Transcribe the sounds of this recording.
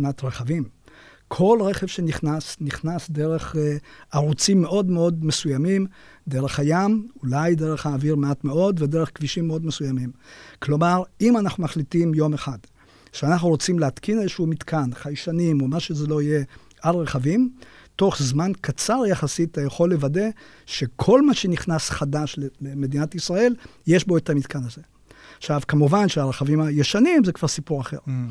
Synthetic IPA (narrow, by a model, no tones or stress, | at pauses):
natʁeχavim | kʰo̞lʁe̞χe̞v̥ʃe̞niχnasniχnasde̞ʁe̞χaʁut͡simːe̞ʔo̞dmeo̞dmesujamimd̪e̞ʁe̞χhajamulajde̞ʁeχhaːviʁmeatme̞o̞dvedeʁeχkviʃimːeo̞d̪mesujamimklo̞maʁimanaχnumaχlitimjo̞meχad | ʃeanaχnuʁo̞t͡simleatkʰinezʃuumitkʰanχajʃanimomaʃezelo̞ije̞ | ʔalʁeχavimto̞χzmankat͡saʁjaχasit̪ajaχo̞lːevade̞ | ʃe̞kʰo̞lmaʃe̞niχnasχadaʃleeme̞d̪inat̪isʁae̞lje̞ʃbo̞et̪amit̪kʰanaze̞ | aχʃavkamuvanʃeaʁeχavimajeʃanimzekvaʁsipuʁaχe̞̰ʁ